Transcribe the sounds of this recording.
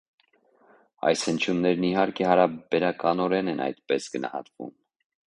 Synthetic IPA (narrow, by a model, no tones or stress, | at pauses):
ɑ̰jshənt͡ʃʰjunːɛɾniɦɑɾkʰɛhɑɾɑbɛɾɑkɑnɔɾɛnɛnɑ̰jt̪pɛsɡənɑ̰hɑ̰t̪vṵm